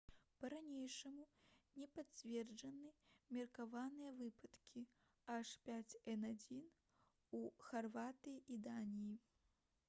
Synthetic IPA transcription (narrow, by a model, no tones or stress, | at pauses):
pɐɾanʲejʂɐmunʲɛpat͡sʲvʲɛrd͡ʐɐnɨmʲɛrkavanɨjɐvɨpɐt̪kʲʰi | aʂpʲat͡sʲɛnad͡zʲin | uxarvat̪ɐjid̪anʲiji